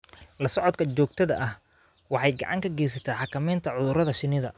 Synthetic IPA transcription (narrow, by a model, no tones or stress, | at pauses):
lɐsɔʕɔd̪kʰɐt͡ʃɔːɡ̚t̪ʰɐðɐ̰ʔɐh | wɑħɑjɡɑ̰ʕɑŋkʰɐɡɛːjs̬ɐt̪ʰaːħɑkʰɐmɛːnt̪ʰɐʕʊðʊɾɐðɐʃɪnɪðɐ̰